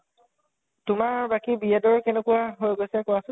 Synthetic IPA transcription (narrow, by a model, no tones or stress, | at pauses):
tʊmaɹbakibiɛdɔɹkɛnekuaɦojɡosɛkɔasʊ